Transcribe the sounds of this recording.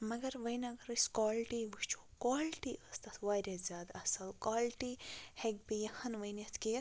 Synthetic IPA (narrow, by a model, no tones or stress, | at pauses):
mɐɡɐɾʋɐjnɐɡɐɾɨskaːlʈiʋuʃt͡ʃʰukaːlʈiɐst̪ɐt̪ʰʋaːɾʲɐzʲaːd̪ɐsɐlkaːlʈiheɡ̚bijɐhɐnʋɐjnɐt̪ʰki